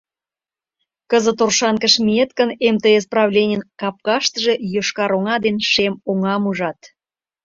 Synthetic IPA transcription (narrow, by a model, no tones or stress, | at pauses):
kəzə̆t̪orʃɑnkəʃmʲiet̪kənemt̪eesprɑβlʲenʲənkɑp̚kɑʃt̪əʒe̽joʃkɑɾoŋɑd̪enʃemoŋɑmuʒɑt̪